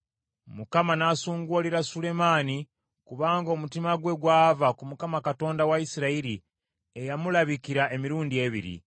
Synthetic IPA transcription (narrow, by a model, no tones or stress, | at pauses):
mukamanasuːŋɡoliɾasule̞maːni | kuβaːŋɡo̞mutimaɡwe̞ɡwaːvakumukamakato̞ːndawaisiɾaiɾi | ejamulaβikiɾaʔe̞miɾuːndie̞βḭɾḭ